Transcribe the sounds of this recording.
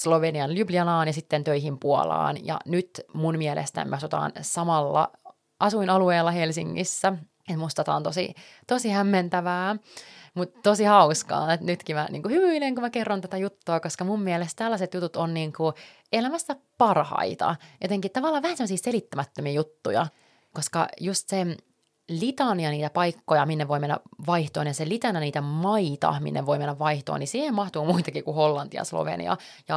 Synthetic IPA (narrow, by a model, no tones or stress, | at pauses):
sloʋeniɑnlybliɑnɑːnjɑsit̪ːent̪øiɦimpuo̰lɑ̰ːnjɑ̰nyt̪munmiɛlʔḛst̪æ̰nmeɑsut̪ɑ̰ːnsɑmɑlːɑ̰ | ʔɑsuinɑlueːlːɑhelsḭŋːḭsːæ | et̪must̪ɑt̪ɑːnt̪osḭt̪osihæmːent̪æʋæːmut̪t̪ːosihɑuskɑ̰ːnet̪nyt̪kimænʔḭːŋkuhyʋyineŋkumækerːont̪æt̪æjut̪ːoːkoskɑmummiɛlest̪t̪ælːæset̪jut̪ut̪onniːŋku | elæmæst̪ːæpɑrhɑ̰it̪ɑ̰jot̪eŋkitt̪ɑʋɑlːɑːʋæhænsemːosiːselit̪ːæmæt̪ːømiːjut̪ːujɑ̰ | koskɑ̰just̪se | lit̪ɑniɑniːt̪æpɑikːojɑminːeʋoimenːæ̰ʋɑiht̪o̰ːnjɑselit̪ɑnɑniːt̪æmɑit̪ɑ̰mḭnːḛʋoimenːæʋʋɑiht̪o̰ːnisiːhemmɑht̪uːmuit̪ɑkikuholːɑnt̪iɑ̰slo̰ʋḛnḭɑ̰ | jɑ